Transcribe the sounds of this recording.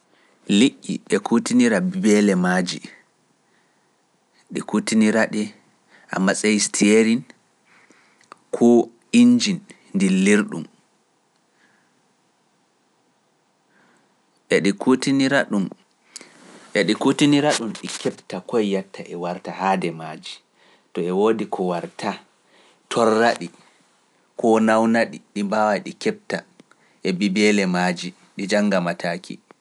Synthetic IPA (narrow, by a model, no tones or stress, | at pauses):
liʔʲːḭɛkutiniɾabbɛlɛmad͡ʒi | ɗɛ̰kutiniɾaɗɛ | ʔa̰mːasʼejistʰieɾin | kʰɔ | ind͡ʒinː | diliɾɗṵm | ʔɛɗikʰutiniɾaɗum | ɛɗikutiniɾaɗumɗikɛptakɔjjatːaʔɛwaɾtahaːdɛmaːd͡ʒi | tɔɛwoːdikʰɔwaɾtʰa | tʰɔrːaɗi | kʰɔnawnaɗiɗimbawajɗikɛp̚ta | ʔɛbibɛlɛmad͡ʒi | ɗid͡ʒaŋɡamatʰaːkḭ